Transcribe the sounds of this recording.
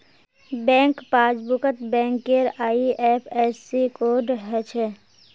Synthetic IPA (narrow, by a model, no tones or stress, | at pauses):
bɛ̃ːŋkpaːd͡ʒbʊkət̪bɛ̃ːŋkːeɾaːiʔɛːpʰɛːsikoːɾɖɦɛt͡ʃʰɛ